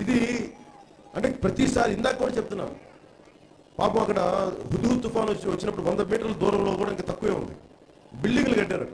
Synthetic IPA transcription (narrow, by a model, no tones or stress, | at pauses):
id̪i | ɐɳʈe̞ːpɾɐt̪isaːɾiind̪aːkkːuːɽaːt͡ʃep̚t̪unːa̰ːɾu | pa̰ːpɐmɐkːɐɽɐɦud̪uːt̪ːufaːnɐt͡ʃːinʋɐt͡ʃːinɐpːuɽuʋɐnd̪ɐmiːʈɐɾlɐd̪uːɾɐmlo̞ːkuːɽaːiŋkaːt̪ɐkːuʋeːṵnd̪ḭ | biɭːiŋɡuluɡɐɖːaːɾɐɖu